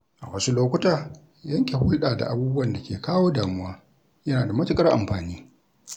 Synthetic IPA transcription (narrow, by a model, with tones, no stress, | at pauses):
ʔa˨wɐ˦su˦loː˦kʷʊ˦taː˨ | jɐ˦ŋkʲe˨hʊ˦lɗaː˨da̰˨ʔa˦buː˦bʊ˦wɐ˨nda˨kʲeː˨kaː˦woː˦daː˨mʊ˦waː˦ | jɐ˦naː˨da˨mɐ˦tɪ˨kʼɐ˦rʔa̰˨mɸaː˨niː˦